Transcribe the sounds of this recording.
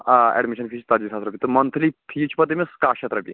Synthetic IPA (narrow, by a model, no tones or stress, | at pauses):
ɛ̰ɖmiʃənpʰiːt͡ʃt̪ad͡ʑisʰat̪ɾɐpit̪ɨmɐnt̪ʰliːpʰit͡ʃpɐt̪emiskaɕɐt̪ɾɐpḭ